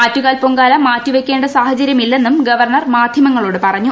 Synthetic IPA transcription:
atːuɣaːlpoŋɡaːlɐmaːtːuʋekʲːe̞ːɳɖɐsaːhɐt͡ɕɐɾjɐmilːe̞nːumɡɐʋɐrɳɐrmaːd̪ʱjɐmɐŋːɐɭoːɽɨpɐrɐɲːu

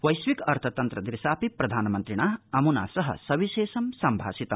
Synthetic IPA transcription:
wɐjswikɐɾt̪ʰɐt̪ɐnt̪ɾɐd̪ɾisaːpiprɐd̪ʱaːnmɐnt̪ɾiɽ̃aɐmuna̰sʌɦʌ̰sɐʋiseːsɐmsɐmbʱa̰ːsit̪ɐ

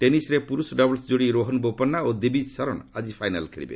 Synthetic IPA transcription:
ʈenisɾepuɾusɖɔblsd͡ʒoɽiɾoɦɔnbopɔnːaod̪ibid͡ʒsɔɾɔnad͡ʒipʰajnalkʰeɽḭbḛ

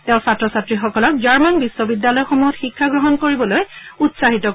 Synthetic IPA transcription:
tɛʊ̃satɹɔsatɹixɔkɔlɔk̚d͡ʒaɹmanbisːɔbidjalɔjxomuɦɔtxikʰːaɡɹɔɦɔnkoɹibɔlojutsaɦitɔ

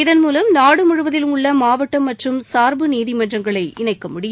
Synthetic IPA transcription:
ɪðɐnmuːlɐmnaːɽɯmʊɻɯʋɐðɪlɯmʊɭːɐmaːʋɐʈːɐmːɐʈrɯmsaːɾbɯniːðimɐndrɐŋɡɐɭɐɪʔɪnɐɪkːɐmʊɽɪj

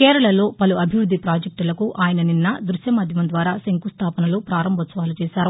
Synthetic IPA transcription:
kɛːɾɐɭɐlo̞ːpɐluɐbʱiʋɾud̪ʱːipɾaːd͡ʒek̚ʈulɐkuʔaːjɐnɐninːɐd̪ɾuʃjɐmɐd̪ʱjɐmɐnd̪ʋaːɾaːseŋkust̪ʰaːpɐnɐlupɾaːɾɐmbʱɐt̪sɐʋaːlut͡ʃɛːʃaːɾu

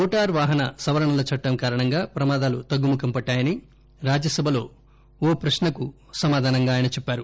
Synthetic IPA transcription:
ɔːʈaːɾʋaːɦɐnɐsɐʋɐɾɐɳɐlɐt͡ʃɐʈːɐmkaːɾɐɳɐŋɡaːpɾɐmaːd̪aːlut̪ɐɡːumukɐmpɐʈːaːjɐni | ɾaːd͡ʒjɐsɐbʱɐlo̞ː | oːpɾɐʃnɐku | sɐmaːd̪ʱaːnɐŋɡaːjɐnɐt͡ʃɛpːaːɾu

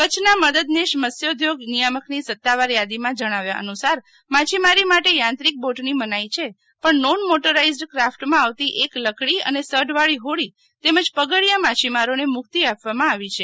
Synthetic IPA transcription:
kət͡ʃʰnaməd̪əd̪neʃməsjəd̪ʱjoɡnijaməknisət̪ːaʋaɾjad̪imãd͡ʒəɽ̃aʋjaʔə̰nusaɾ | mat͡ʃʰimaɾimaʈejãnt̪ɾik̚boʈnimənajt͡ʃʰe | pəɳnonmoʈəɾaizɖkɾafʈmãaʋt̪iʔekləkɭiə̰nesəɖʋaɭiɦoɭi | t̪eməd͡ʒpəɡəɭijamat͡ʃʰimaɾonemʊkt̪iapʋamãaʋit͡ʃʰe

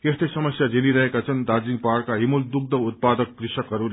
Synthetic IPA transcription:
est̪esʌmʌsjad͡zeniɾʌɦekat͡sʰʌnd̪ad͡ziŋ̚paɽkaɦimuld̪uk̚d̪ʱʌʋut̪̚pad̪ʌkːɾisʌkɦʌɾul

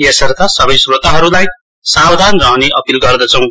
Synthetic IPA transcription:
esʌrt̪asʌbʌjsrot̪aɦʌɾulaj | sabd̪ʱanrʌɦoneʔʌpilɡʌrd̪ʌt͡sʰʌw̃

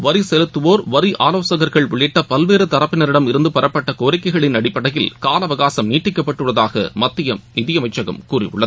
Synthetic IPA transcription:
ʋɐɾisɛlɯt̪ːɯʋoːɾʋɐɾiʔa̰ːloːsɐɣɐɾɣɐɭʋɪɭːɪʈːɐpɐlʋeːɾɯt̪ɐɾɐpːɪnɐɾɪɽɐmɪɾɯnd̪ɯpɐɾɐpːɐʈːɐkoːɾɪkːɐɪɣɐɭɪnɐɽɪpːɐɽɐjɪlkaːlɐʋɐɣaːsɐmniːʈrɪkːɐpːɐʈːɯɭːɐðaːɣɐ̰mɐt̪ːɪjɐmnɪðɪjɐmɐɪt͡ʃːɐɣɐ̰mkuːrɪ̰ʊ̰ɭːɐðɯ

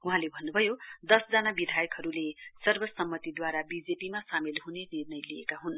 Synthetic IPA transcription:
uɦãlebʱʌnːubʱʌjod̪ʌsd͡zʌnabid̪ʱajʌkɦʌɾulesʌrbʌsʌmːʌt̪id̪waɾabid͡zepimasamilɦunenirnʌjlijḛkaɦun

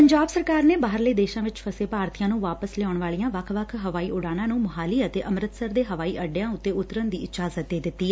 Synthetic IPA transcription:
pəɲd͡ʒaːbsəɾkaːɾneːbaːɦəɾleːd̪eːʃãːʋɪt͡ʃpʰəseːpaːɾt̪ʰijãːnũːʋaːpəslɛɔʊɳʋaːɭijãːʋəkʰʋəkʰɦəʋaːiːʔʊɽaːnãːnũːməɦaːliːət̪eːʔəmɾət̪səɾd̪eːɦəʋaːiːʔəɖejãːʊt̪ːeːʊt̪ːəɾənd̪iːɪd͡ʒaːzət̪̚d̪eːd̪ɪt̪ːiː

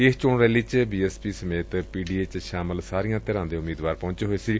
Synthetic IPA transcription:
est͡ʃoːɳɾɛːlit͡ʃbiːɛːspiːsəmeːt̪piːɖiːeːt͡ʃʃaːməlsaːɾijãːt̪eːɾãːnd̪ẽʊmiːd̪ʋaːɾpɔʊ̃ɲt͡ʃeɦoːesiɾiː

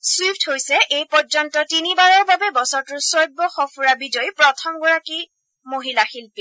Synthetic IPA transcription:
swipthojsɛʔejpɔɹd͡ʒɔntɔtinibaɹɔɹbabɛbɔsɔɹtʊɹsɔjb̚bɔxɔpʰuɹabidɔjpɹɔtʰɔmɡɔɹaki | moɦilaxilpi

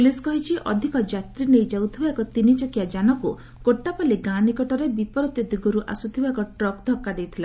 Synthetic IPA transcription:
pliskɔɦit͡ʃʰiʔɔd̪ʱikɔd͡ʒat̪ɾinejd͡ʒawt̪ʰibaekɔt̪init͡ʃɔkiad͡ʒanɔku | koʈːapaleɡanikɔʈɔɾebipɔɾɔt̪jɔd̪ʱiɡɔɾuʔa̰sut̪ʰibaekɔʈɾɔkd̪ʱɔkːad̪ejt̪ʰila

